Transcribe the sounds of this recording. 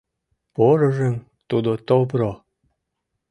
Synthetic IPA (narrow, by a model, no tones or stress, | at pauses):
poɾə̆ʒem | t̪ud̪ot̪opɾo